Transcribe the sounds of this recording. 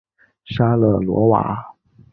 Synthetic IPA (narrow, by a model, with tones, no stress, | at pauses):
ʂa˥lə˨lwɔ̰˧˥wa̰˨˩˦